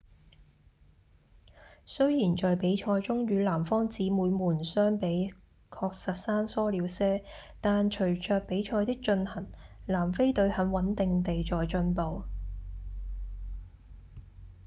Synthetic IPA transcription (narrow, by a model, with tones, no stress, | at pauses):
sɵ˥ɥjiː˨˩nt͡ʃɔː˨jpe˨˥jt͡ʃʰɔː˧jt͡sʊ˥ŋjyː˨˧laː˨˩mfɔː˥ŋt͡siː˨˥muː˨˧jmuː˨˩nsœː˥ŋpe˨˥j | kʰɔː˧k̚sɐ˨t̚saː˥nsɔː˥liː˨˥wsɛː˥ | t̪aː˨nt͡ʃʰɵ˨˩ɥt͡ʃœː˧k̚pe˨˥jt͡ʃʰɔː˧jt̪ɪ˥k̚t͡ʃɵ˧nhɐ˨˩ŋlaː˨˩mfe˥jt̪ɵ˧ɥhɐ˨˥nwɐ˨˥nt̪ɪ˨ŋt̪e˨jt͡sɔː˨jt͡ʃɵ˧npo˨w